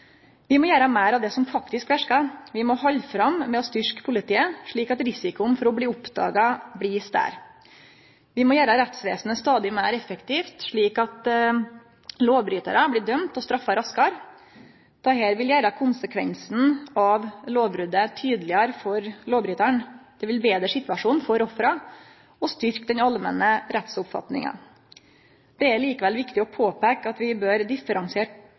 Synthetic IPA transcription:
ʋɪmɔjæːɾɑmæːɾɑʋd̪ɛsɔmfɑkt̪ɪskʋæʂkɑʋɪmɔhɔlːfɾɑmmɛɔst̪ʏʂkpʰʊlɪt̪ʰiːəʂɭiːkɑt̪ɾɪsɪkʊnfɔɾɔbliːʊpd̪ɑ̰ːɡɑblist̪æ̰ːɾ | ʋɪmɔjæːɾəɾɛt̪sʋeːsnəst̪ɑːd̪ɪmæːɾɛfəkt̪ʰiːft̪ʂɭiːkɑt̪ | loːʋbɾyːt̪ə̰ɾəblɪːɖ̪œmt̪ɔst̪ɾɑfːɑɾɑskɑɾ | d̪̥æheːɾʋɪljæːɾɑkʰʊnsəkʰʋɛ̰nsn̩ɑʋloːʋbɾʉd̪ət̪ʰyːd̪lɪɑɾfɔɾloːbɾyːt̪æɳd̪̥ɛʋɪlbeːd̪ɾəʂɪt̪ʋɑʂuːnfɔɾɔfɾɑ | ɔst̪ʏɾkd̪ɛnɑlmɛ̰nəɾɛt̪sʊpfɑ̰t̪nɪ̰ŋə̰n | d̪̥ɛæɾɭiːkəʋɛlʋɪkt̪ɪɔpʰoːpɛkɑt̪ʋɪbøːɾd̪ɪfəɾɑŋsɪeːʈ

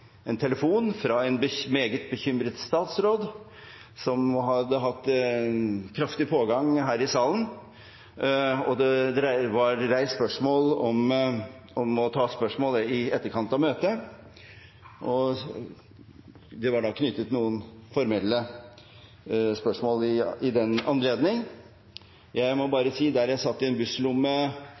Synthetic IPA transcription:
ɛnt̪ʰɛləfuːnfɾɑɛnbəmeːɡət̪̚bəçʏmɾət̪st̪ɑːt̪sɾoːd̪ | sɔmɦɑd̪əɦɑt̪ː | kʰɾɑft̪ɪpʰoːɡɑŋɦæːɾɪsɑːlən | ɔd̪ɛd̪ɾæʋɑɾɾæɪspœʂmoːlɔm | ɔmɔt̪ʰɑːspœʂmoːləɪɛt̪ːəɾkʰɑnt̪ɑʋmøːt̪ə | ʔɔ | d̪ɛʋɑɖɑːkʰnʏt̪ːət̪nuːənfɔɾmɛlːə | spœʂmoːlɪɪd̪ɛnɑnleːd̪nɪŋ | jæɪmɔbɑːɾəsiːd̪æɾjæɪsɑt̪ːɪɛnbʉslʊmːə

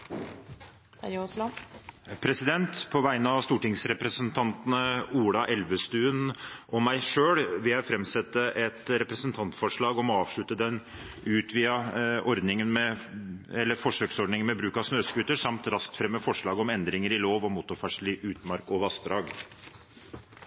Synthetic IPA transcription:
pʰɾɛsɪd̪ɛnt̪pʰɔʋæɪnəɑʋst̪uːʈɪŋsɾɛpɾəsənt̪ʰɑnt̪ənəuːɽɑʔɛlʋəst̪ʉːnʔɔmːæɪʂøːɽʋɪljæɪfɾɛmsɛt̪ːəʔɛt̪ɾɛpɾɛsənt̪ʰɑnt̪fɔʂɭɑːɡɔmɔɑːʋʂɭʉt̪əd̪ɛn | ʉːt̪ʰʋiːɑɔɾd̪nɪŋənmɛ | ɛlːəɾfɔʂøːksɔɖnɪŋənmɛbɾʉːkɑsnøːsɡʉt̪ːəʂɑmt̪ɾɑsk̚t̪fɾɛmːəfɔʂɭɑːɡɔmɛnd̪ɾɪŋəɾɪloːʋɔmuːt̪ːʊɾfɑʂɭiʔʉːt̪mɑɾkɔʋɑsd̪ɾɑːɡ

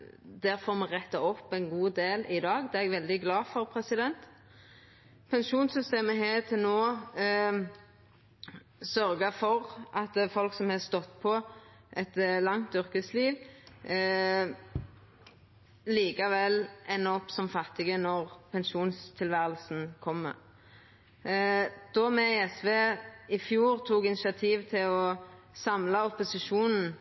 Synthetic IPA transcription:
d̪æɾfɔɾmɛʁɛt̪ːɑɔpːɛnɡuːd̪eːlɪd̪ɑːɡd̪ɛːɛɡʋɛld̪ɪɡlɑːfɔɾpʰɾɛsɪd̪ɛnt̪ | pʰɛnʃuːnsʏst̪eːməɦeːt̪ʰɪlnoː | sœɾɡəfɔɾʔɑt̪fɔlksɔmhɛst̪ɔt̪ːpʰɔ | ʔɛt̪lɑŋt̪ʏʁkəsliːʋ | liːkɑʋɛlɛnɔpsɔmfɑt̪ːɪɡənɔʁpʰɛnʃuːnst̪ʰɪlʋæːʁəlsn̩kʰɔmːə̰ | d̪̥ɔmɛɪɛsʋeːɪfjuːʁt̪ʰuːkɪnɪsɪɑt̪ʰiːʋt̪ʰɪlɔ | sɑmlɑɔpʊsɪʃuːnn̩

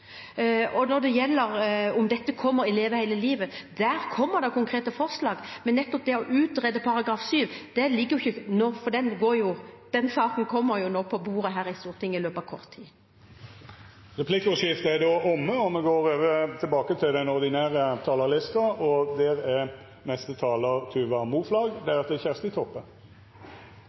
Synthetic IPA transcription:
ɔnɔʁd̪ɛjɛlːəɾʊmd̪ɛt̪ːəkʰɔmːəɾɪleːʋəhæɪləliːʋəd̪æːɾkʰɔmːəɾd̪ɑkʰʊŋkʰʁeːt̪əfɔʁslɑːɡmɛnːɛt̪ːɔp̚d̪ɛɔʔʉːt̪ʁɛd̪əpʰɑɾɑɡɾɑːfsyːʋd̪̥ɛlɪɡːəjʊɪçːənoːfɔd̪ɛnɡoːɾjʊd̪̥ɛnsɑːkənkʰɔmːəɾjʊnoːpʰɔbuːɾəɦæːɾɪst̪uːʁt̪ʰɪŋːəɪløːpɑʋkʰɔʁt̪ʰːiː | ʁɛpʰlɪkːʊʂɪft̪əæd̪oːʔɔmːəɔmɛɡoːɾøːʋət̪ʰɪlbɑːkət̪ʰɪld̪ɛnɔʁd̪ɪnæːɾət̪ʰɑːləɾlɪst̪ɑɔd̪ɛɾɛ | nɛst̪ət̪ʰɑːləʁt̪ʰʉːʋɑmuːflɑːɡd̪ɛæɾɑt̪̚d̪ɛçæʁst̪ɪt̪ʰɔpːən

